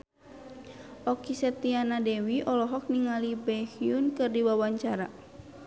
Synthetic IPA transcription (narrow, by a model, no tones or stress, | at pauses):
ʔɔkisɛt̪ianadɛwiʔɔlɔɦɔk̚niŋalibɛhiunkɨrdiwawaɲt͡ʃaɾa